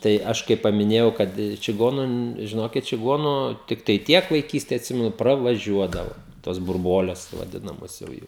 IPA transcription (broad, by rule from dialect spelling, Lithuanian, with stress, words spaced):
tɐɪ ˈɐʃ kɐɪ pɐmʲɪˈnʲeːjɛʊ ˈkɐt t͡ʃʲɪˈɡoːnʊ n ʒʲɪˈnoːkʲɪt t͡ʃʲɪˈɡoːnʊ ˈtʲɪktɐɪ ˈtʲiɛk ʋɐɪˈkʲiːsʲtʲeː ɐtʲˈsʲɪmʲɛnʊ prɐʋɐˈʒʲuɔdɐʋoː toːs bʊrˈbuɔlʲɛs ʋɐˈdʲɪnɐmoːs jɛʊ ˈjuː